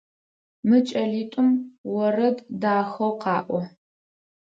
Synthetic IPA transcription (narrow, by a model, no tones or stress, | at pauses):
mɨt͡ʃʼɐɮiːtʼʊmwɔrɐddaːxɐwqɑːʔʷɔ